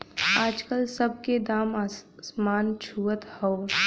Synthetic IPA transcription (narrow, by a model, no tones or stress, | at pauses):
aːd͡ʒkəlsəb̚ked̪aːmaːsmaːnt͡ʃʰuːət̪hɔo